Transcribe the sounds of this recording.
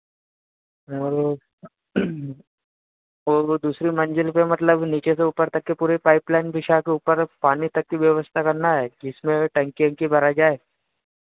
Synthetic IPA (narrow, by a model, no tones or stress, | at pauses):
ɔɾ | od̪uːsɾimɐ̃nd͡ʒəlpemɐt̪ləbniːt͡ʃeseuːpəɾt̪ɐkːepuːɾepaːɪplaːɪnpɪʃakeuːpəɾpaːnit̪ɐkːiʋjəʋəst̪ʰakɐɾnaɦɛːd͡ʒɪsmẽʈə̃ŋkiə̃ŋkibʱɐɾad͡ʒaːeː